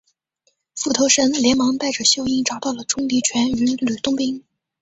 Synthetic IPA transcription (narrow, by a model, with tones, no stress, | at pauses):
fu˥˩t̪ʰo˧˥ʊʂə˧˥nljɛ˧˥nmɑ˧˥ŋt̪a˥˩ɪʈ͡ʂə˩ɕjo˥˧ʊi˥˩nʈ͡ʂɑ˨˩ʊt̪ɑ˥˩ʊlə˩ʈ͡ʂʊ˥ŋt̪i˧˥t͡ɕʰɥɛ˧˥ny˧˥ly˨˩t̪ʊ˥˧ŋpi˥ŋ